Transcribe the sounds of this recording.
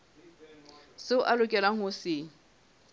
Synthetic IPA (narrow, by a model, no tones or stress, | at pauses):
sɪʊʔalʊkʼɛlaŋ̩hʊsɪŋ̩